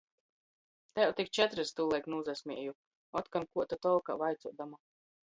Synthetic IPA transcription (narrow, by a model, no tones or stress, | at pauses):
t̪ajɛwt̪ikt͡ʃɛt̪ɾɨst̪ulˠɛjknuːzasʲmʲiɛju | ɔt̪kankuɔt̪at̪ɔlˠka̰vajt̪suɔd̪ama